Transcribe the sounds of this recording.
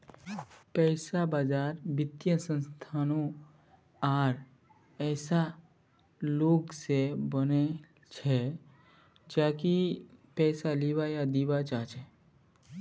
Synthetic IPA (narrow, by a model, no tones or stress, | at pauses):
pɛːsabaːd͡ʒaːɾbɪt̪jə̃sə̃nst̪ʰaːnõ | aːɾ | ɛːsa | loːɡsebəne | t͡ʃʰɛ | d͡ʒaːkipɛːsaliːwajad̪iːbat͡ʃaːt͡ʃʰɛ